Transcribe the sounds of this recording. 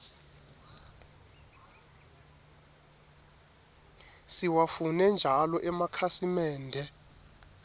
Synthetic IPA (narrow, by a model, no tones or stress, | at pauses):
siwafunɛnd͡ʒʱalɔʔɛmakʰasimɛːndʱɛ